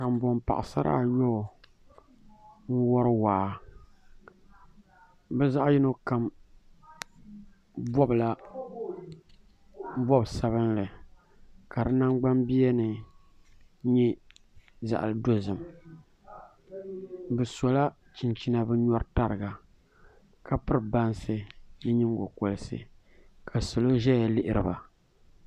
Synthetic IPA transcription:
ka˨mbɔ˨mpa̰˨ʔɪ˨sa̰˦ɾʔa̰˦˨jɔ˦˨ | n̩˦wɔ˦ɾɨ˦wa˨ | bɛ˦za˦ʔji˦no˦ka˨m | vɔ˦bla˦ | vɔ˦bsa˦βɨ˦nlɨ˨ | ka˨dɨ˦na˦ŋɡ͡ba˦mbi˦ɛ˦nɨ˨ | ɲɛ˦ | za̰˨ʔa̰˨lɨ˦do˦zɨ˨m | bɨ˨sɔ˨la˦ | t͡ʃɪ˨nt͡ʃi˦na˨bɨ˦ɲɔ˦ɾta˨ɾɨ˨ɡa˨ | ka˨pɨ˦ɾba˦nsɨ˦jɨ˦ɲi˦ŋɡo˨ko˨lɨ˦sɨ̰˨ | kʰa˨so˨lo˦ʒɛ˦ja˨lɪ˦ʔɪ˦ɾɨ˨ba˨

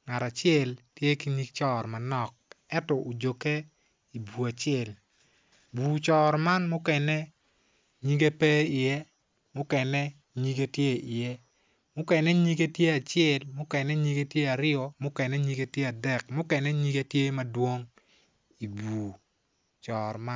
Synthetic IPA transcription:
ŋa˨ɾa˨t͡ʃɪɛ˨ltje˦ki˨˦ɲi˦k̚t͡ʃɔ˦ɾma˨nɔ˨k̚ɛ˦tɔ˨o˨d͡ʒo˨ke˦ | i˨bu˨a˨t͡ʃɪɛ˦˨l | buː˨t͡ʃɔ˨ɾma˦nmʊ˦kɛ˨nɛ˦ | ɲi˦ɡe˦pɛ˦ɪ˨jɛ˦ | mʊ˦kɛ˨nɛ˦ | ɲi˦ɡe˦tje˦ɪ˨je˦ | mʊ˦kɛ˨nɛ˦ɲi˦ɡe˦tje˦a˨t͡ʃɛ˨lmʊ˦kɛ˨nɛ˦ɲi˦ɡe˦tje˦a˨ɾɪɔ˨mʊ˦kɛ˨nɛ˦ɲi˦ɡe˦tje˦a˨dɛ˨kmʊ˦kɛ˨nɛ˦ɲi˦ɡe˦tje˦ma˦dwo˦ŋ | i˨buː˨ | t͡ʃɔː˨ɾma˦

